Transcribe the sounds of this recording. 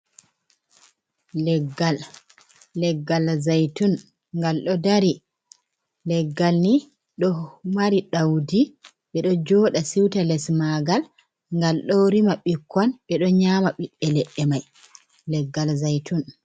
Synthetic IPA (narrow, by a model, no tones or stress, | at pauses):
lɛɡːalː | ɛɡːalzajtun | ŋɡalɗɔdaɾi | lɛɡːalni | ɗɔmaɾiɗawdi | ɓɛɗɔd͡ʒɔːɗasiwtalɛsmaɡal | ŋɡalɗɔɾimaɓikʰːɔnɓɛɗɔɲaːmaɓiɓːɛlɛʔːɛmaj | lɛɡːalzajtun